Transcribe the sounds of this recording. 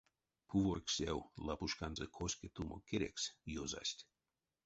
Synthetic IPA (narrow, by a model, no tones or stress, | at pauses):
pʰuvorksʲewlapuʃkanzəkʰosʲkʲet̪umʔo̰kʰeɾʲḛksjoza̰sʲtʲ